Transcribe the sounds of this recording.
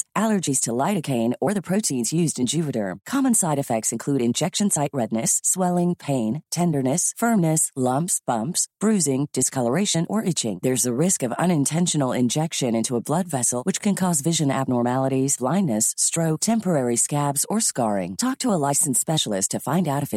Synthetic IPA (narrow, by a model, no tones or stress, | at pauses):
ʔælˠə˞d͡ʒiz̥tʰəlaɪɾɨkʰẽɪ̃nə˞ðɨpʰɹ̥oʊɾʰĩnzjʉzdɨ̃nd͡ʒʉvɨɾə̰˞kʰɑmə̃nsaɪɾɨfɛk̚tsɨ̃nkʰl̥ʉɾɨ̃nd͡ʒɛkʃɨ̃nsaɪʔ̚ɹɛdⁿnɨsːwɛlˠɪ̃ŋpʰẽɪ̃ntʰɛ̃ndə˞nɨsfɜ̃˞mnɨslʌ̃mpsb̥ʌ̃mpsb̥ɹʉzɪ̃ŋd̥ɨskʰʌlˠə˞eɪʃɨ̃nʔə˞ʔɪt͡ʃɪ̰̃ŋðə˞zɨɹɪskʌvʌ̰̃ñɨ̃ntʰɛ̃nʃɨn̩l̩ˠɪ̰̃nd͡ʒɛkʃɨ̃nɪ̃ntʰuəblʌdvɛsl̩ˠwɨt͡ʃkʰɨ̃nkʰɔzvɪʒɨ̃næ̰b̚nɔɹmælˠəɾiz̥b̥lãɪ̃nːɨsːtɹ̥oʊk̚tʰɛ̃mpə˞ɛɹiskæbzə˞skɑɹɪ̰̃ŋtʰɔk̚tʰəəlaɪsɨ̃n̩spɛʃl̩ˠɨstʰɨfãɪ̃ndaʊɾɨfɨ